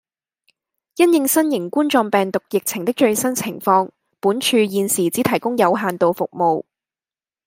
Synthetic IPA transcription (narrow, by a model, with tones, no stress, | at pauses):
jɐ˥njɪ˧ŋsɐ˥njɪ˨˩ŋkuː˥nt͡ʃɔː˧ŋpɛː˨ŋt̪ʊ˨k̚jɪ˨k̚t͡sʰɪ˨˩ŋt̪ɪ˥k̚t͡ʃɵ˧ɥsɐ˥nt͡sʰɪ˨˩ŋfɔː˧ŋ | puː˨˥nt͡ʃʰyː˧jiː˨nsiː˨˩t͡siː˨˥t̪ʰɐ˨˩jkʊ˥ŋjɐ˨˧wɦaː˨nt̪o˨˧wfʊ˨k̚mo˨˧w